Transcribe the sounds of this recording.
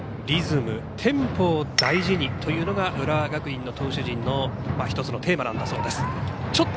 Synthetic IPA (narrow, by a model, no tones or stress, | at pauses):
ɾʲizɨmɯ̟̰t̪ʰẽ̞mpo̞ːd̪aiʑiɲ̟it̪ʰo̞jɯ̟ːno̞ɡaɯ̟ɾaɡakɯ̟ĩnːo̞t̪ʰo̞ːɕɨʑĩnːo̞maçi̥t̪o̞t͡sɨno̞t̪e̞ːmanã̰nd̪aso̞ːd̪e̞sɨ̥t͡ɕo̞t̪ː